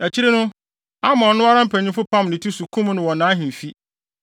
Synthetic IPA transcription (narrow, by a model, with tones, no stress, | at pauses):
æ˨t͡ɕʰi˦ɾe˦nʊ̃˦ | a˦mɔ̃˨˦nʊ̃˦a˦ɾã˦m̩˦pʰæ˨ɲĩ˦fʊ˦pʰã˦˨mnɪ̃˨tʰu˦su˨kʰũ˦m˦nʊ̃˨wɔ̃˨nːãː˨˦ɦɪ̃˨fi˦